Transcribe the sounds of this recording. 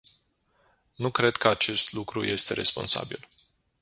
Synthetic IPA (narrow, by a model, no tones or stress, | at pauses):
nukɾe̞d̪kəat͡ʃe̞st̪lukɾuje̞st̪e̞ɾe̞spo̞̰nsa̰bḭl